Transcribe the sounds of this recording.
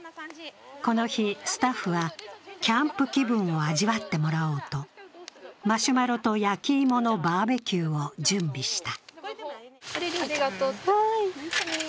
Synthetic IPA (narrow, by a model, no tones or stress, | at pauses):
ko̞no̞çisɨ̥t̪aɸːɯ̟βakʲãmpɯ̟kʲibɯ̟̃ɰ̃o̞aʑiβat̪ːe̞mo̞ɾao̞ːt̪o̞ | maɕɨmaɾo̞t̪o̞jakʲiːmo̞no̞baːbe̞kʲɨːo̞d͡ʑɨ̃mbʲiɕi̥t̪ḁ